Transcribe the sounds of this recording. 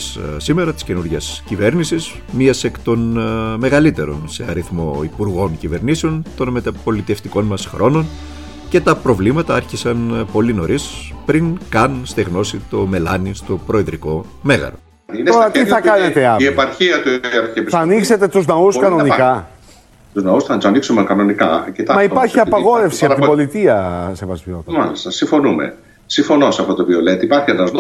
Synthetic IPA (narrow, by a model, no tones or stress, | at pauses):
ssime̞ɾɐt̪i̥sce̞nuɾʝɐscive̞ɾnisiz | miɐseekt̪o̞nme̞ɣɐlit̪e̞ɾo̞̰nse̞ɐ̰ɾiθmo̞̰ipuɾɣo̞ncive̞ɾniseo̞nt̪o̞nmet̪ɐpo̞lit̪e̞ft̪iko̞nmɐsxɾʔo̞no̞n | ce̞t̪ɐpɾo̞vlimɐt̪ɐɐɾçisɐnpo̞lino̞ɾispɾiŋkɐnst̪eɣno̞sit̪o̞me̞lɐnist̪o̞pɾo̞eðɾiko̞ | me̞ɣɐ̰ɾo̰ | inoɾɐt̪iθɐkɐnet̪eɐiepɐɾçiɐt̪uɐɾepθɐːnikse̞t̪e̞t̪uznɐuskɐno̞nikɐ | t̪uznɐusθɐt̪ɐniksumekɐno̞nikɐ̰cit̪ɐmɐipɐɾçiɐpɐɣo̞ɾe̞fssiɐpt̪ibo̞lit̪iɐsevɐzot̪mɐlist̪ɐsĩɱfo̞numḛ | siɱfo̞nosɐft̪ot̪oviolet̪ipɐɾçienɐzn